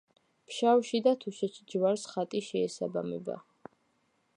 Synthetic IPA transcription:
pʃawʃid̪at̪ʰuʃɛt͡ʃd͡ʒvaɾsχat̪ʼiʃɛːsaba̰mɛ̰ba̰

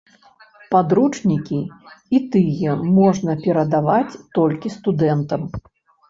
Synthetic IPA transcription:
pad̪ɾut͡ʂnʲikʲiit̪ɨjɛmɔʐnɐpʲɛɾɐd̪avat͡sʲt̪ɔlʲkʲist̪ud̪ɛnt̪ɐm

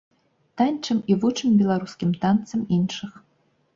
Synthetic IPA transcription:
t̪anʲt͡ʂɨmivut͡ʂɨmbʲɛlˠaɾuskʲimt̪ant̪sɐminʂɨx

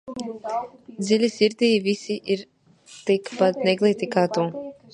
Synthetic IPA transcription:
d̪zilʲisiɾd̪iːvisiʔiɾ | t̪ikpat̪nɛɡlˠit̪ikaːt̪uː

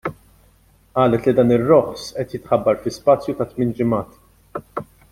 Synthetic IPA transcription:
ʔɐːlɛt̪lid̪ɐːnɪrːɔħsʔɛt̪jɪt̪ħɐbːɐɾfɪspɐːt͡sːjut̪ɐt̪mɪːnd͡ʒɪmɐːt̪

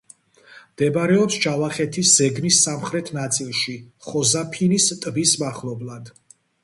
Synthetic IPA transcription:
md̪̥ɛbɾɛɔpsd͡ʒavaχɛt̪ʰisz̥ɛɡnisːamχɾɛt̪ʰnat̪sʼilˠʃiχɔzapʰinist̪ʼbismaχlˠɔblˠad̪̥

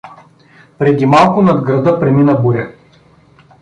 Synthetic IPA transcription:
pɾɛd̪imalˠkʊnɐd̪ɡɾɐd̪ɤpɾɛminɐbuɾʲə

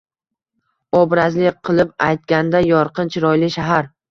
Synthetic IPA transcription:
ɒbɾazlɪqʰɨlˠɪpajt̪̚kʲand̪ajɒɾqɨnt͡ʃʰɪɾɒjlɪʃaɦaɾ

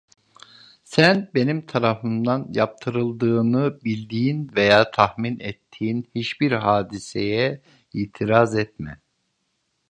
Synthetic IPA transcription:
sænbe̞nimt̪ʰaɾafɯnd̪anjap̚t̪ʰɯɾɯlˠd̪ɯːnɯbilʲd̪iːinvejaːt̪ʰahminɛt̪ʰːiːinhiʃbiɾɦaːd̪isejɛ | iːt̪ʰiɾazɛt̪mɛ̰

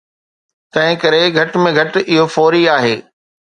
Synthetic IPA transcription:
t̪ɐ̃ɦɪ̃kɐɾeɡʱɐʈmẽɡʱɐʈɪɦofɔːɾiaːɦeː

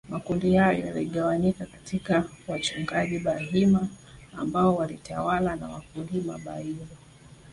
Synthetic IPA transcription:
makundihajɔj̰ja̰liɠawaɲikakatʰikawat͡ʃuŋɡaʄiɓaɦimaː | mbaɔwalitawalana̰wak̚ulima̰ɓa̰iɾa

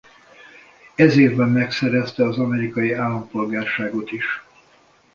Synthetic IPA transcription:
ɛzeːvbɛmːɛksɛɾɛst̪ɛɒzɒmɛɾikɒjiaːlːɒmpo̞lɡaːrʃaːɡo̞t̪iʃ

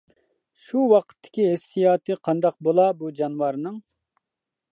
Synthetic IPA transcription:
ʃuwɑqʰə̥t̪ʰːɪ̥kʲiɦɪsːijɑːt̪ʰɨqʰɑnd̪ɑq̚bolˠɑbud͡ʒɑnwɑɾnɨŋ

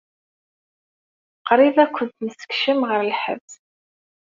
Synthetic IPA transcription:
qɾiðækʷːənt̪nəsə̥kʃəmʁəɾlħə̰vz

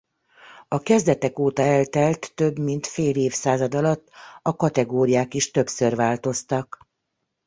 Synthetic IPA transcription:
ɒkɛzd̪ɛt̪ɛkoːt̪ɒɛlt̪ɛlt̪ːø̞bmint̪feːleːfsaːzɒd̪ɒlɒt̪ːɒkɒt̪ɛɡoːɾijaːkiʃt̪ø̞psørvaːlt̪o̞st̪ɒk

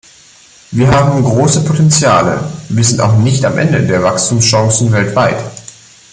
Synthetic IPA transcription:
viːɐɦaːbm̩ɡʁoːsəpʰotɛnt͡sjaːlə̰viːɐzɪntaʊxnɪçtamʔɛ̰ndə̰deːɐvakstʰuːmsʃɔ̃ŋsn̩vɛltv̥aɪt

